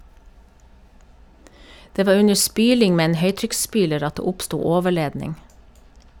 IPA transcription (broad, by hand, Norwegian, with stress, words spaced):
ˈdeː ˈʋɑː ˈʉɲə ˈspyːlɪŋ ˈmeː ˈeːn ˈhœʏtɾʏksˌspyːləɾ ˈɑt ˈdeː ˈʊpstuː ˈoːʋəˌɭeːdnɪŋ